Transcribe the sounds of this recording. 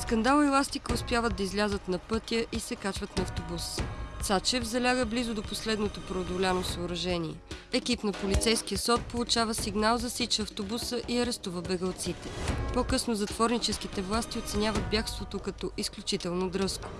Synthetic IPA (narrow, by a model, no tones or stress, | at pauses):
skɐnd̪alˠilˠast̪ikəʊspjavəd̪ɐizlʲazət̪nɐpɤt̪jəʔisɛkat͡ʃvət̪nɐɐft̪obust̪sat͡ʃɛvzɐlʲaɡəblizʊd̪oposlɛd̪not̪opɾod̪olʲanosəʊɾɐʒɛniɛ̰ɛkipnɐpolit̪sɛjskijəsɔt̪̚polˠut͡ʃavəsiɡnalˠzɐsit͡ʃɛɐft̪obusəʔiɐɾɛst̪uvəbɛɡəlˠt̪sit̪ɛ̥pokɤsnozɐt̪vɔɾnit͡ʃɛskit̪ɛvlˠast̪iot̪sɛnʲavəd̪̚bjakst̪vot̪okɐt̪ɔʔisklʲut͡ʃit̪ɛlˠnod̪ɾɤsko̥